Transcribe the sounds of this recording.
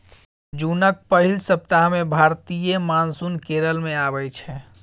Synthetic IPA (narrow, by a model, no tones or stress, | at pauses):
d͡ʒunək̚pəɦilsəp̚t̪aɦmebʱaɾt̪ijəmansunkeɾəlmẽaβɛt͡ʃʰɛ